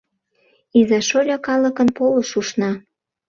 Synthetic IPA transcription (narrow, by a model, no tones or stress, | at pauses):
izɑʃoɾʲɑkɑlə̆kə̆npoləʃuʃnɑ